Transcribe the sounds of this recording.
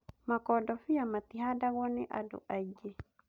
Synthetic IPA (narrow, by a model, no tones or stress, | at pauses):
makɔdɔfiamat̪iɦadaɣɔnɛʔado̰ʔad͡ʒe